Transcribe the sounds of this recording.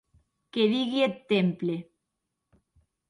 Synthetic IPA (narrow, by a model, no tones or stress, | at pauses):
keðiɣiet̪ːemple